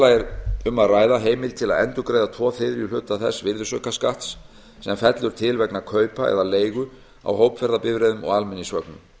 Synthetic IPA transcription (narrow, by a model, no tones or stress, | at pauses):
laɛɾʏmːaðraːjðaɦeːjmɪlt̪ʰɪla̰ðɛ̰nt̪ʏkɾeːjðat̪ʰvɔːfɪðɾilʏːt̪aθɛ̰svɪɾðʏsœ̰kaskaht̪sː | ɛmfɛt̪lʏɾ̥t̪ʰɪlvɛknakʰœːɥpaɛ̰ðaleːjɣʏ | a̰wɦowpfɛɾðapɪvɾeːðʏmɔ̰ɣalmɛnːisvœknʏm